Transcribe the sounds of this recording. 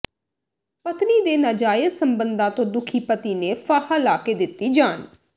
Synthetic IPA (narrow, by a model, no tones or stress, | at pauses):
pət̪niːd̪eːnaːd͡ʒaːjəsəmbənd̪ãːt̪õːd̪ʊkʰiːpət̪iːneːfʰaːhaːlaːkeːd̪ɪt̪ːiːd͡ʒaːn